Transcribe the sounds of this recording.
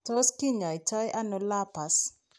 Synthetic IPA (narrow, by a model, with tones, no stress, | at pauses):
tɔ˦ski˦ɲa˨i˨tɔ˦jʔa˦no˨la˦pa˨s